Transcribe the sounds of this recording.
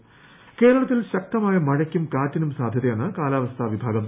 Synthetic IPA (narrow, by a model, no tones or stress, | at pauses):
ke̞ːɾɐɭɐt̪ːilɕɐk̚t̪ɐmaːjɐmɐɻɐkʲːumkaːtːinumsaːd̪ʱjɐðɐjaːnːɨkaːlaːʋɐst̪ʰaːʋibʱaːɡɐm